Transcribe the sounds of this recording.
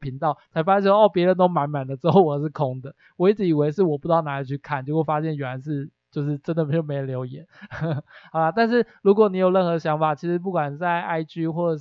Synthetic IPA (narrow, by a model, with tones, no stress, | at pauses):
pʰi˧˥ŋt̪ɑ˥˩ʊt͡sʰa˧˥ɪfa˥jɛ˥˩˥wo˥˦ɔ˥˩pjɛ˧˥ɻə˧˦nt̪o˥ʊma˧˥nma˨˩nd̪ə˩˦ʈ͡ʂɻ̩˥xo˥˩ʊwɔ˨ə˦ʂ̬̩˥˩kʰʊ˦˥ŋd̪ə˨ | wɔ˨i˥˩ʈ͡ʂɻ̩˧˥i˨˩we˧˥ɪʂ̬ɻ̩˥˩wɔ˨˩pu˥˩t̪ɑ˥˩na˧˥i˨˩t͡ɕʰy˥˧kʰa˥˩˨nt͡ɕjo˥˧˥wo˥˩fa˦˥ɕjɛ˥˩nɥɛ˨˩n˩a˧˥nʂɻ̩˥˩ | t͡ɕjo˥˧ʊʂ̬ɻ̩˥˩ʈ͡ʂə˦˥nd̪ə˨m˧˥jo˨˩me˧˥jo˨˩ljo˧˥ʊjɛ˨˦n | xɑ˨˩ʊlə˧t̪a˥˧nʂ̬ɻ̩˥˩ɻu˧˥kwɔ˨˩ni˧˥jo˨˩ɻə˥˩nxɤ˧ə˧˩ɕjɑ˧˥ŋfa˨˩t͡ɕʰi˧˥ʂɻ̩˧˥p̬u˥˩kwa˨˩nt͡sa˥˧ɪa˥ɪt͡ɕy˥xwɔ˥˩ʈ͡ʂə˨˩